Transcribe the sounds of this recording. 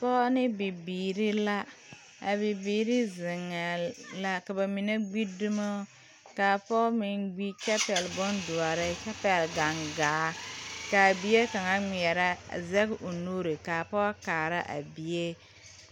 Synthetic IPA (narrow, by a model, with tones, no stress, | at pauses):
pɔ˦nɪ˦bi˨biː˨ɾi˦la˦ | a˨bi˨biː˨ɾɪ˦zɪ˨ŋa˨la˦ka˨ba˨mi˨ne˦ɡ͡bi˦du˦ma˦ | kaː˨pɔ˦mɪ˨nɡ͡bi˦t͡ʃɛ˦pɛ˨lbɔ˦ndu˨a˨ɾɪ˦t͡ʃɛ˦pɛ˨lɡa˨ŋɡaː˨˦ka˨bi˨˦e˦ka˨ŋa˦ŋ͡mi˨ɛ˨ɾa̰˦˨zɛ˦ɡʔo˨nu˦ɾe˨ka˨pɔ˦a˦kaː˨ɾa˦ʔa̰˨bi˨je˦